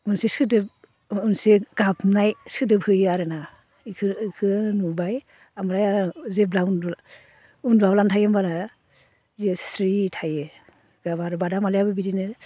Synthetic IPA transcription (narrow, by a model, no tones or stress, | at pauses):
ɡɯnsiskʰɯdɯb̚ | unseɡ̥apnajskʰɯdɯbhɯjaɾɯna | kʰɯkʰɯnubaj | amɾajaɾazeb̚laundl | undablantʰajembaɾa | zesɾitʰaje | ɡabaɾɯbadamalijabɯbidinɯ